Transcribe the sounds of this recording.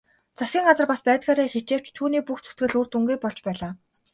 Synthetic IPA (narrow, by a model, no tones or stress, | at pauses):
t͡sʰasɡʲiːŋɢat͡sə̆rpaspæːt̪ɡaːɾeːxet͡ɕeːw̥t͡ɕt̪ʰːuːniːpuxt͡sʰɵ̥t̪ɡɘ̆ɮur̥t̪uŋɡuj̚pɔɮt͡ɕpæːɮaː